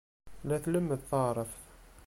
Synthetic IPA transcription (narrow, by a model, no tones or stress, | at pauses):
læθləmːəd̪θˤɑɾˤəf